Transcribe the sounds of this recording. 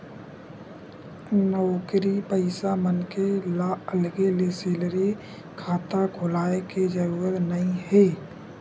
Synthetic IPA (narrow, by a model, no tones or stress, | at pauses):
nəʊkɾipəɪsamənkelaəlɡeleseːlɾi | kʰaːt̪aɡʱʊlaːeked͡ʒəɾuːɾət̪nəĩɦeː